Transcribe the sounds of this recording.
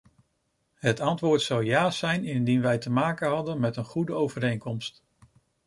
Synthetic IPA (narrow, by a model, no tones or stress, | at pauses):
ɦətɑntʋʊːɹtsɑwjaːsɛjnɪndinʋɛjtəmaːkəɦɑdənmɛtənχudəowvəɾejŋkɔmst